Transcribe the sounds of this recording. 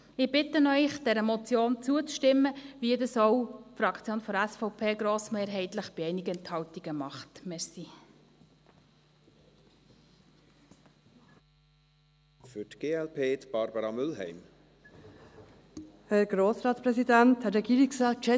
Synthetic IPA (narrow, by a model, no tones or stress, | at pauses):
ɪb̥ɪtənœʏχd̥ɛɾəmɔt͡sjoːnt͡suət͡sʃtɪmːəʋiədɑsɔwfɾɑkʰt͡sjoːnfɔɾæsfɔʊpʰeːɡɾoːsmeːɾɦɛɪtləχb̥iɛɪnɪɡəɛnthɑwtiɡ̥əmɑχtmɛɾsi | fʏtɡ̥eːɛlpʰeːt̪b̥ɑɾbɑɾɑmʏlɦɛ̰ɪm | hɛɾɡ̥ɾoːsɾɑːtspɾɛsidænthɛɾɛɡiːɾɪksɑːʃɛ